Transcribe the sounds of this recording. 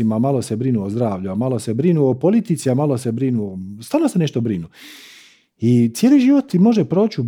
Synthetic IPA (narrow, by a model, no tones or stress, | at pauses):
imamalˠosebɾinuozd̪ɾaːʋʎuamalo̞se̞bɾinuopolˠit̪it̪siamalo̞se̞bɾinuost̪aːɾlnose̞neʃt̪obɾinu | it̪sjeːliʒiʋot̪imo̞ʒepɾoːt͡ɕu